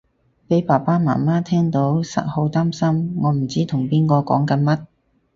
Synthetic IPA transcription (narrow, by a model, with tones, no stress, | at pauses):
pe˨˥jpaː˨˩paː˥ma̰ː˨˩maː˥t̪ʰɛː˥ŋt̪o˨˥wsɐ̰˥t̚ho˨˧wt̪aː˥msɐ˥mŋɔː˨˧m̩˨˩t͡siː˥t̪ʰʊ˨˩ŋpiː˥nkɔː˧kɔ̰ː˨˥ŋkɐ˨˥nmɐ˥t̚